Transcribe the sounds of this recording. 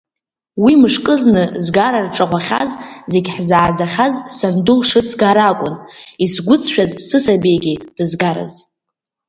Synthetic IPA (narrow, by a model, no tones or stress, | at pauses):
wimɨʂkʼɨznɨzɡaɾarʈ͡ʂʼaʁʷaχʲa̰zze̞ɡʲħzaːd͡zaχʲazsandulʂɨt͡sʰɡaɾakʷʼʊnisɡʷʊt͡sʰʃᶣazsɨsabejɡʲid̥ɨzɡaɾa̰z